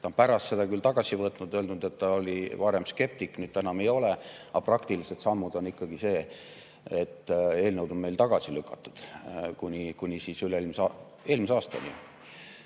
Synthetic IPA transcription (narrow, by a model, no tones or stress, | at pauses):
t̪ɑnpæɾɑst̪se̞d̪ɑkylt̪ɑɡ̥ɑsivɤt̪nud̪ø̞ld̪nud̪e̞t̪ːɑolʲivɑɾe̞mske̞p̚t̪ikːnyːd̪̥t̪ænɑme̞jo̞leɑprɑkt̪ilise̞d̪sɑmːud̪o̞nikːɑɡ̥ise̞ː | et̪ːe̞ːlnewd̪o̞nme̞jlt̪ɑɡ̥ɑsilykːˑɑt̪ːˑu̥d̪̥kunʲikunʲisiːsyleelms | e̞ːlmiseɑːst̪ɑ̰nḭ